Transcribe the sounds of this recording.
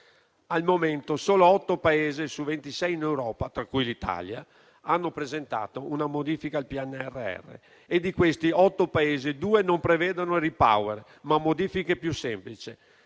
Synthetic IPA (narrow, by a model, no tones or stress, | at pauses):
almoment̪osoːloɔt̪ːopaeːzesuvent̪isɛjinewɾɔːpat̪ɾakːujlit̪a̰lja | anːopɾezent̪a̰ːt̪ounamod̪iːfikalpiɛnːeɛrːeɛ̰rːḛ | ed̪ikwest̪iɔt̪ːopaeːzed̪uːenompɾevɛːd̪onoɾipa̰weɾ | mamːod̪iːfikepjusemplit͡ʃe